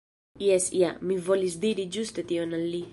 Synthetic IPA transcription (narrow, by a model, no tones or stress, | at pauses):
iɛsiamivolisd̪iɾid͡ʒust̪et̪ionalːi